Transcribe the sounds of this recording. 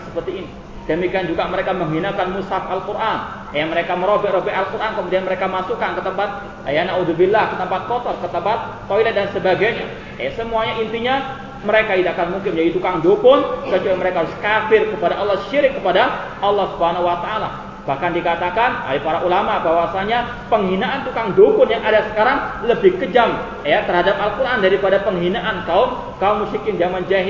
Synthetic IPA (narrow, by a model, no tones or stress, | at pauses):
səpərt̪iːni | d̥əmikiand͡ʒuɡaməɾekaməŋɦinakanmusafalkuɾʔan | jaməɾekaməɾobɛʔɾobɛʔalkuɾʔankəmudianməɾekamasukankət̪əmpat̪̚ | janaudubilːahkət̪əmpat̪̚kɔt̪ɔrkət̪əmpat̪̚ːoilat̪̚dansəbaɡajɲa | jasəmuaɲaint̪iɲa | məɾekaid̪aakanmuŋkɪmd͡ʒadit̪ukaŋd͡ʒopʊnkət͡ʃualiməɾekaɦaɾʊskafɪrkəpadaʔɑlːɔhʃiɾɪkːəpadaʔɑlˠːɔhsubhanahwat̪aala | b̥ahkandikat̪akana̰ipaɾaʔulamabawasaɲa | pəŋɦinaʔant̪ukaŋdopʊnjaŋadasə̥kaɾaŋləbɪhkəd͡ʒam | jat̪ərhadap̚alkuɾʔandaɾipadapəŋɦinaʔank̪aʊn | kaomusɪkand͡ʒamand͡ʒaɦ